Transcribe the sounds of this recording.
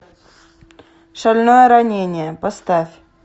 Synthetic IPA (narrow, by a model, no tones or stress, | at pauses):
ʂɐlʲnojəɾɐnʲenʲɪjəpɐst̪afʲ